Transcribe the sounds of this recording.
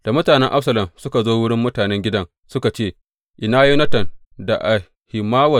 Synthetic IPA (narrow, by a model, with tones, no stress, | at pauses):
d̥a˨mʊ˦taː˨nɛ˦ŋʔa˦ɸsɐ˨lɐ˨msʊ˦ka˨zoː˦wʊ˦ɽɪ˦mːʊ˦taː˨nɛ˦ŋɡʲɪ˦dɐ˦ŋ | sʊ˦ka˨t͡ʃeː˦˨ | ʔɪ˨naː˦ji˦nɐ˦tɐ˨n | da˨ʔa˨ | hɪ˨maː˦wɐ˨